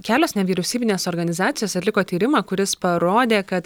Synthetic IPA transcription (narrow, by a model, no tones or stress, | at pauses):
kʲæːlʲoːsnʲɛʋʲiːɾʲɛʊsʲiːbʲɪnʲeːsoːɾɡɐnʲɪzɑːt̪sʲɪjoːsɐt̪lʲɪkoːt̪ʲiːɾʲɪmɑːkʊɾʲɪspɐɾoːd̪ʲeːkɐt̪